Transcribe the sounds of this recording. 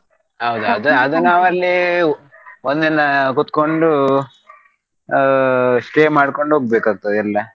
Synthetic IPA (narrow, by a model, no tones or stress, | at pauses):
ɦɐwd̪uɐd̪uɐd̪unaːʋɐlːi | ond̪inːɐkut̪ko̞ɳɖu | sʈeːmaːɽko̞ɳɖɦoːɡ̚beːkaːɡ̚t̪ːɐd̪ilːɐ